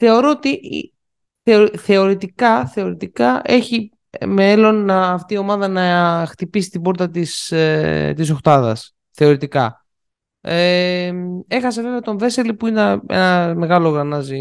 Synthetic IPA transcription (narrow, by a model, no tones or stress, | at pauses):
θe̞oɾo̞ot̪ḭ | θeoθe̞o̞ɾit̪ikɐθe̞o̞ɾit̪ikɐʔe̞çi | melo̞nɐːft̪io̞mɐðɐnɐxt̪ipisi̥t̪ibo̞ɾt̪ɐt̪is | t̪iso̞xt̪ɐðɐ̰s | θe̞o̞ɾit̪ikɐ̰ | e | e̞xɐs̬e̞veveɐt̪o̞ɱve̞selipuinɐḛnɐme̞ɣɐlo̞ɣɾɐnɐzi